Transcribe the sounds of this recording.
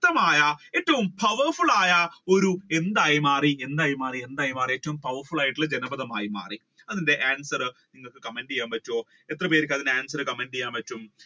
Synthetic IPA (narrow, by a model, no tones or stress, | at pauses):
t̪ːɐmaːjɐe̞tːɐʋumpʰɐʋɐrfuɭaːjɐo̞ɾue̞nd̪aːjumaːrie̞nd̪aːjumaːrie̞nd̪aːjumaːrie̞ːtːɐʋumpɐʋɐrfuɭaːjiʈːiɭːɐd͡ʑenɐbɐðɐmaːjima̰ːri | ɐðinde̞ʔaːnsɐrɨniŋːɐɭkɨkɐmɐndijaːmpɐtːoː | et̪rɐpeːɾik̬ʲːɐðineaːnsɐrɨkɐmɐndijaːmpɐtːum